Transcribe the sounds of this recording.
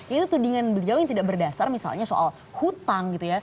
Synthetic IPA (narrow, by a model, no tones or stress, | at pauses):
jait̪ut̪udiŋanbəliawjaŋt̪idaʔbərdasarmisa̰lɲaso̰ʔa̰l | hut̪aŋɡit̪uja